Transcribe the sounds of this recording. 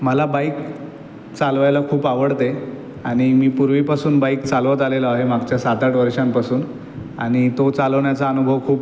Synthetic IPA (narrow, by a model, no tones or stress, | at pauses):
məlabajk | t͡salʋajlakʰuːpaʋəɽt̪e | aɽ̃imiːpuɾʋipasuːnbaikt͡salʋət̪aleləaɦemaɡt͡ɕjasat̪aʈʋəɾʂampasuːn | aɽ̃it̪ot͡saləʋɳjat͡saənubʱəʋkʰuːp